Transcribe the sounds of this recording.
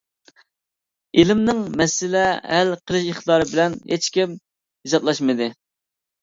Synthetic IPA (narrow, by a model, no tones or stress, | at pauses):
elɪmnɪŋmɛsɪlɛælqʰəlˠɨʃəχt̪d̪ɑːɾɨbɪlɛnhet͡ʃkʲim | hizɑt̪lˠɑʃmɨd̪ɨ